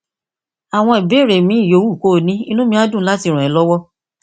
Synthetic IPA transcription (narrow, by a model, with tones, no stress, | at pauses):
a˨w̃ɔ̃˧i˨be˨˦˨ɾe˨mĩ˨˦i˦˨jo˨˧˦wu˦˨ko˦˨nĩ˦i˦˧nũ˦mĩ˧a˦dũ˦˨˦la˦ti˧ɾ̃ɔ̃˨ɛ˨˦lɔ˦wɔ˦